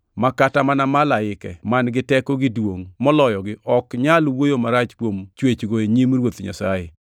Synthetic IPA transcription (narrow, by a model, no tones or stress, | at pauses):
makatamanamalaɪkɛmanɡɪtɛkoɡɪdwoŋmɔlɔjɔɡɪʔɔkɲalwojomaɾat͡ʃkwomt͡ʃwet͡ʃɡoeɲimɾwot̪ɲa̰sajɪ